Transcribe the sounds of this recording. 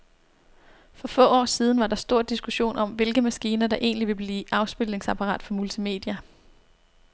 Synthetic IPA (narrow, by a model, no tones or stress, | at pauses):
fɒ̽fɔ̰̽ːɒ̰ːsiːð̞ˠn̩ʋɑ̈dɑ̈sd̥o̝ɐ̰d̥isɡ̥uɕo̝̰ːnɒ̽mʋe̝lɡ̥əmæsɡ̥iːnɐd̥ɑ̈ʔe̝̰ːnliʋe̝b̥liːʔɑ̈ʊsb̥elne̝ŋsæpʰɑ̈ʁɑ̰ːd̥fɒ̽mult͡sʰime̝̰ːd̥jæ